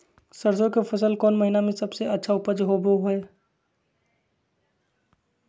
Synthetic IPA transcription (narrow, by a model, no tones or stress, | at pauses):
səɾsokepʰəsəlkɔːnməɦinamẽsəbseətːʃʰaʊpəd͡ʒɦoboɦe